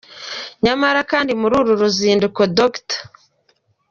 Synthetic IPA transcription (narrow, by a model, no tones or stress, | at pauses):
ɲamaɾakaːndimuɾuɾuɾuziːndukodoktḁ